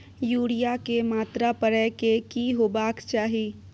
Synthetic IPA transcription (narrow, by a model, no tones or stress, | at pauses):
juːɽijakemaːt̪ɾapəɾɛkekiɦoːbaːkt͡ʃaːɦiː